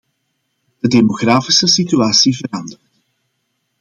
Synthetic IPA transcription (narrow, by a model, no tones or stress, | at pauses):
d̥ədemoɣraːfisəsityaːsivəɾɑndərt